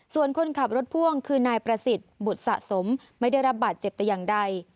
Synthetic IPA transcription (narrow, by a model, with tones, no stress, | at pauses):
su˨˩ənkʰo˧nkʰa˨˩p̚ɾo˦˥t̪̚pʰu˥˩əŋkʰɯː˧naː˧jpɾa˧si˨˩t̪̚bu˨˩t̪̚sa̰˨˩ʔso˩˦mː | a˥˩jda˥˩jɾa˦˥p̚baː˨˩t̪̚t͡ɕe˨˩p̚t̪ɛ˨˩jaː˨˩ŋda˧j